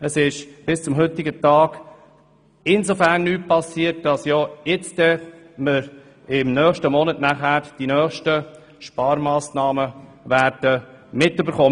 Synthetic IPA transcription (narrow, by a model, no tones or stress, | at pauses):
əsɪʃb̥ɪst͡sʊmɦʏt̪ɪɡətɑːɡ̥ | ɪnsofæːɾnːyːt̚pʰɑsiːəɾt̚d̥ɑsjoːɪt͡sdɛ | mɪɾ | ɪmnœːχʃtəmɔnətnæχæːɾd̥inœːχʃtə | ʃpɑːɾmɑːsnɑːməvæːɾd̥ə | mɪtybəɾχoː